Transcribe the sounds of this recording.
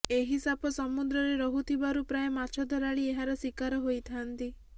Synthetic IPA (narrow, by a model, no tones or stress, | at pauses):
eɦisabɔsɔmud̪ɾɔɾeɾɔɦut̪ʰibaɾupɾajemat͡ʃʰɔd̪ʱɔɾaɭieɦaɾɔsikaɾɔɦojt̪ʰant̪i